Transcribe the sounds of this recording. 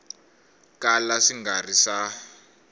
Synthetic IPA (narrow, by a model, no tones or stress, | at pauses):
kalaʂiŋɡarisa